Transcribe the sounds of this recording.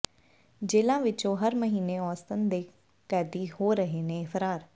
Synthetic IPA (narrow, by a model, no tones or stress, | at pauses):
d͡ʒeːlãːʋɪt͡ʃõɦɐɾməɦiːneɔːst̪ənd̪eː | kɛːd̪ihoːɾəɦeːnẽfəɾaːɾ